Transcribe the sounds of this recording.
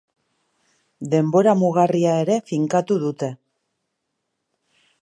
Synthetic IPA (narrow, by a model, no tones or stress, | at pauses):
d̪e̞mbo̞ɾamuɣariae̞ɾe̞fiŋkat̪uðut̪e̞